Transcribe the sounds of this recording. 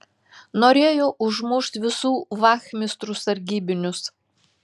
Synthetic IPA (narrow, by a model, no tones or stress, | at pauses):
noːɾʲeːjoːʔʊʒmʊʃt̪ʋʲɪsuːʋɑːxʲmʲɪst̪ɾusɐɾʲɡʲiːbʲɪnʲʊs